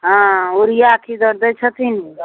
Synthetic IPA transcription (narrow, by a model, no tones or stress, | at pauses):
ɦãoɾijaakʰid̪ɔɾd̪ət͡ʃʰət̪ini